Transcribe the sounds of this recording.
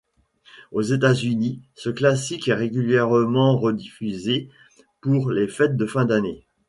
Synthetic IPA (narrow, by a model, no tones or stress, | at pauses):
ozet̪azynisəklasikɛʁeɡʲyljɛʁmɑ̃ʁəd̪ifyze | puʁlefɛt̪̚d̪əfɛ̃d̪ane